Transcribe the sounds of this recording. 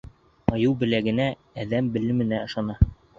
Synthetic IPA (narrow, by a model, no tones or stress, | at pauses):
ɒjɤwbɘ̆læɡɘ̆næː | ðæmbɘ̆lɘ̆mɘ̆næɤ̆ʃɑnɑ